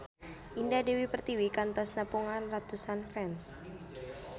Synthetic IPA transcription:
ʔindadewipərt̪iwikant̪ɔsnəpuŋanrat̪usanfɛns

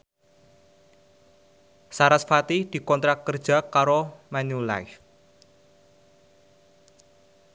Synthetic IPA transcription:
saɾasfat̪id̪̥i̤kɔnt̪ɾakərd̥ʒ̥a̤kaɾomanula̰jf

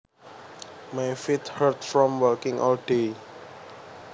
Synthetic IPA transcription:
majfit̪hərtfɹɔ̃mwəlkɪ̃ŋʔɔ̰ld̥e

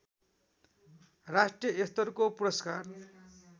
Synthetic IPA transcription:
rasʈrijʌest̪ʌrkopuɾʌskar

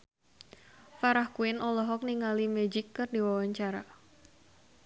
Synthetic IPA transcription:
faɾahkuɪnɔlɔɦɔk̚niŋalimɛd͡ʒɪkːɨrdiwawaɲt͡ʃaɾa

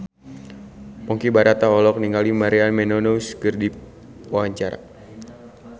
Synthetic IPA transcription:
pɔŋkibaɾat̪aɔlɔk̚niŋalimaɾianmɛnonoskərdip̚ | wawaɲt͡ʃaɾa̰

